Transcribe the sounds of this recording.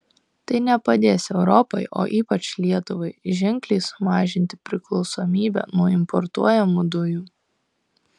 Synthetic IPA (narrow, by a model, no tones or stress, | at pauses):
t̪ɐɪnʲɛpɐd̪ʲeːsʲɛʊɾɔpɐɪʔo̰ːʔiːpɐt͡ʃlʲiɛt̪ʊʋɐɪʒʲɪŋʲklʲɛɪsʊmɑːʒʲɪnʲt̪ʲɪ̥pʲɾʲɪklˠɒʊsoːmʲiːbʲɛ̰nuɔɪmpɔɾt̪uɔjɛmud̪ʊjuː